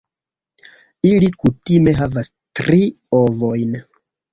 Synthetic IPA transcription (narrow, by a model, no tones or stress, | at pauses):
ilikutime̞ɦavas | tɾi | ovo̞jn